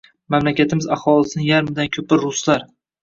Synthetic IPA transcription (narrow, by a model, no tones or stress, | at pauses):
mamlakʲat̪ʰɪmɪzahɒlˠɪsɪnɪjaɾmɪd̪ankʲʰɵpɪɾːʊslaɾ